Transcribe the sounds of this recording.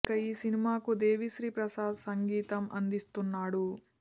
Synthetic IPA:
kɐiːsinimaːkud̪eːʋiʃɾiːpɾɐsaːd̪sɐŋɡiːt̪ɐmɐ̰nd̪ist̪unːaːɽu

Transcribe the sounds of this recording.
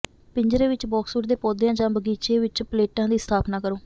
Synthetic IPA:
pɪɲd͡ʒɾeːʋɪt͡ʃbɔːksuːʈd̪eːpɔːd̪jãːd͡ʒãːbəɡiːt͡ʃeːʋɪt͡ʃpəleːʈãːd̪iːst̪ʰaːpnaːkəɾoː

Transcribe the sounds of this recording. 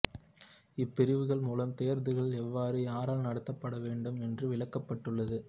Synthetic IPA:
ɪpːɪɾɪʋɯɣɐɭmuːlɐmt̪ejɐɾnd̪ɯɣɐɭɛʋːaːɾɯjaːɾaːlnɐɽɐt̪ːɐpːɐɽɐʋeːɳɖɯmɛndrɯʋɪɭɐkːɐpːɐʈːɯɭːɐðɯ

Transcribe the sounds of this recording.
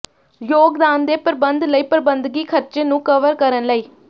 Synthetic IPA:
joːɡd̪aːnd̪eːpəɾbənd̪ləiːpɾbənd̪ɡiːkʰəɾt͡ʃeːnũːkəʋəɾkəɾənləiː

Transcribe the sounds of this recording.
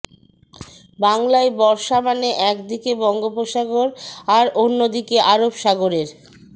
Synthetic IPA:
baŋlaebɔɾʃamaneʔɛkd̪ikebɔŋɡopoʃaɡoɾaɾonːod̪ikeʔaɾobʃaɡoɾeɾ

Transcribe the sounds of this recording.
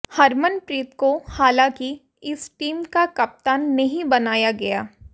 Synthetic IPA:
hɐɾmənpɾiːt̪kohaːlãːki | ɪsʈiːmkakɐp̚t̪aːnːɐɦĩbɐnaːjaɡɐjaː

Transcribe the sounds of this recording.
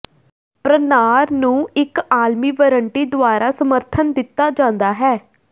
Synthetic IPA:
pɾənaːɾnũːɪkaːlmiːʋəɾəɳʈiːd̪ʊaːɾaːsəməɾt̪ʰənd̪ɪt̪ːaːd͡ʒãːnd̪aːɦɛː

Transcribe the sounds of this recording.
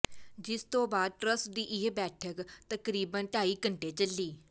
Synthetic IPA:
d͡ʒɪst̪õːbaːd̪̚ʈɾəsʈd̪iːʔɪɦbɛːʈʰəkt̪əkɾiːbənʈaːiːkəɳʈeːt͡ʃəlːiː

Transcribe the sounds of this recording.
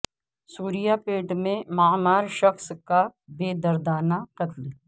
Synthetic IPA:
suːɾijapeːʈmẽmaːmaːɾʃɐxskabeːd̪ɐɾd̪aːnaqɐt̪l

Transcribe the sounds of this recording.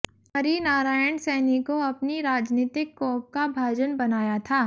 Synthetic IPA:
ɐɾinaːɾaːjəɳɖsɛːnikoɐpniɾaːd͡ʒniːt̪ɪkːɔːp̚kabʱaːd͡ʒənbɐnaːjat̪ʰaː

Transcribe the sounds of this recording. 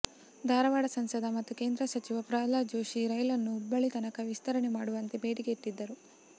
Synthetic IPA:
d̪ʱaːɾɐʋaːɽɐsɐnsɐd̪ʱɐmɐt̪ːuke̞ːnd̪ɾɐsɐt͡ʃiʋɐpɾaːlaːd͡ʒoːʃiɾɐjɐlɐnːuːbːɐɭit̪ɐnɐkɐʋist̪ɐɾɐɳemaːɽuʋɐnt̪ebe̞ːɽiɡet̪ːid̪ːɐɾu

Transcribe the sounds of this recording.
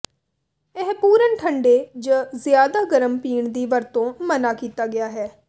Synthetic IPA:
ɛɦpuːɾənʈʰəɳɖeːd͡ʒəzɪjaːd̪aːɡəɾəmpiːɳd̪iːʋəɾt̪õːmənaːkiːt̪aːɡɪjaːɦɛː

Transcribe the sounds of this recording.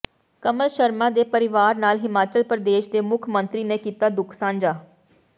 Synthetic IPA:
kəməlʃəɾmãːd̪eːpəɾɪʋaːɾnaːlɦɪmaːt͡ʃəlpɾəd̪eːʃd̪eːmʊkʰmənt̪ɾiːneːkiːt̪aːd̪ʊkʰsãːɲd͡ʒaː

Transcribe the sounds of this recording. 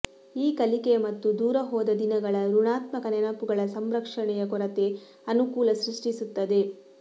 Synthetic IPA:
iːkɐlikemɐt̪ːud̪uːɾɐɦɔːd̪ɐd̪inɐɡɐɭɐɾuɳaːt̪mɐkɐnɛɳɐpuɡɐɭɐsɐmɾɐkʂɐɳɛjɐkɔɾɐt̪e | ɐnukuːlɐsɾiʂʈisut̪ːɐd̪e

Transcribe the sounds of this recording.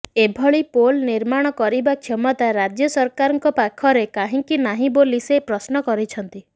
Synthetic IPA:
ebʱɔɭipolniɾmaɽ̃ɔkɔɾibakʰjɔmɔt̪aɾad͡ʒjɔsɔɾkaɾɔŋkɔpakʰɔɾekaɦĩŋkinaɦĩbolisepɾɔsnɔkɔɾit͡ʃʰɔnt̪i

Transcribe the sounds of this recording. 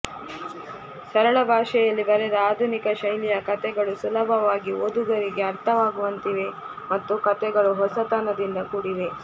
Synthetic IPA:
sɐɾɐɭɐbʱaːʂɛjɐlːibɐɾɛd̪ɐaːd̪ʱunikɐʃɐjlijɐkɐt̪ɛɡɐɭusulɐbʱɐʋaːɡiod̪uɡɐɾiɡe̞ɐɾt̪ʰɐʋaːɡuʋɐnt̪iʋe̞ | mɐt̪ːukɐt̪ɛɡɐɭuɦɔsɐt̪aːnɐd̪ind̪ɐkuːɽiʋe̞

